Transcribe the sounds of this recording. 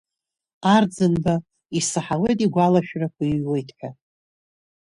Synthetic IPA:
ard͡zɨnba | isɨħawejtʼiɡʷalaʃᶣrakʷʰajwe̞jtʰʼħʷᶣa

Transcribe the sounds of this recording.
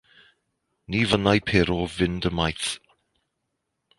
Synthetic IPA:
niːvənajpʰeːɾɔvɪndəmajθ

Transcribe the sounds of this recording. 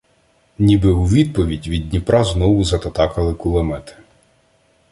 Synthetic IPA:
nʲibɪʊʋʲid̪̚pɔʋʲidʲʋʲid̪̚ʲnʲipɾɑznɔwʊzɐt̪ɐt̪ɑkɐlˠɪkʊlˠɐmɛt̪ɪ̥

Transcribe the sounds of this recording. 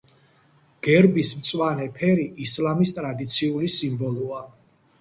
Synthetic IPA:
ɡ̥ɛɾbismt̪sʼwanɛpʰɛɾiʔislamist̪ʼɾad̪it̪sʰiulisimbɔlˠua

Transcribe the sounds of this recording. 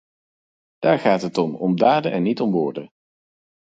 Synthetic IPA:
d̥aːɹχaːtɦətɔmɔmdaːdənʔɛnːitɔmʋʊːɹdə

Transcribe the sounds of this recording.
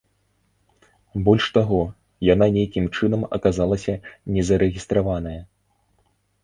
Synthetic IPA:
bɔlʲʂt̪aɣɔ | jananʲejkʲimt͡ʂɨnɐmɐ̰kazalˠɐsʲɐnʲɛzɐɾɛɣʲist̪ɾavanɐjɐ

